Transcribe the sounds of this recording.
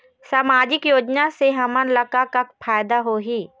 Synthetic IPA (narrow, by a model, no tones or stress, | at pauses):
saːmaːd͡ʒɪkjoːd͡ʒnaseɦɐmənlɐkakakpʰaːjd̪aɦoːɦiː